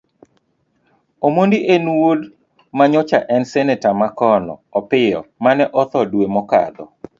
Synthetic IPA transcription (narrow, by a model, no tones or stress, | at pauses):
omondiʔenwod | maɲɔt͡ʃaʔɛnsɛnɛtamakɔnɔ̰ɔpɪjɔ̰manɛʔɔt̪ɔdwemɔka̰d̪ɔ